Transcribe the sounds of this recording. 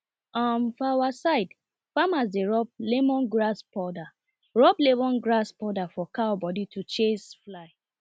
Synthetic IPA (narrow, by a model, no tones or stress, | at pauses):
ɔmfawasaɪd | famas̬deɹɔb̚lemɔ̃nɡɹaspɔda | ɹɔblebɔ̃nɡɹaspɔdafɔkaɔbɔditut͡ʃesflaɪ